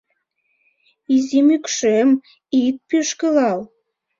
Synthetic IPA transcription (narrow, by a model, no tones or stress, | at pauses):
izimykʃem | it̪̚pyʃkəlɑl